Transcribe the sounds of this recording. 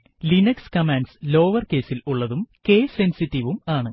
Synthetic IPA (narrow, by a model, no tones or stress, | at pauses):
linɐkskɐmaːnɖslo̞ːʋɐrke̞ːsiluɭːɐðumkeːsensitːiʋumaːɳɨ